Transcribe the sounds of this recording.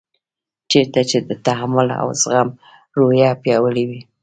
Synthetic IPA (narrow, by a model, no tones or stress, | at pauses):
t͡ʃeɾt̪at͡ʃed̪ət̪aɦamʊla̰wzɣam | ɾojɑpjɑwəɽiwi